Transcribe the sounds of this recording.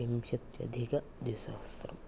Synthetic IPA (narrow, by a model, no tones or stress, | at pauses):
imʃɐt̪jɐ̰d̪ʱikɐ | d̪isa̰st̪ɾɐ̰m